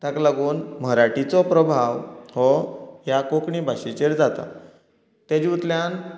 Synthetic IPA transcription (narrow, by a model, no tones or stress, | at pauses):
t̪aklaɡuːnməɾaʈit͡sɔpɾəbʱaʋhɔjakokɳibʱaɕit͡ɕeɾd͡zat̪a̰ | t̪ad͡ʑiut̪ljan